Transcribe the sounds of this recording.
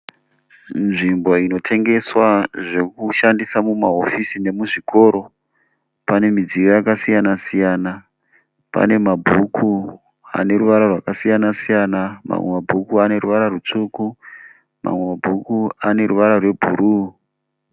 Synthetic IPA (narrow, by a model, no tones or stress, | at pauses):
nʐimbo̞ino̞tʰe̞ŋɡe̞swaʐe̞kuʃandisamumaofisine̞muʐiko̞ɾo̞ | pane̞mid͡zijo̞jakasijanasijana | pa̰ne̞mabʱukʰu | a̰ne̞ruʋaɾarwakasijanasijanama̰mwemabʱukuane̞ruʋaɾarut͡ʂuku | ma̰mwe̞mabʱukuane̞ɾuʋaɾarwe̞bʱṵɾuː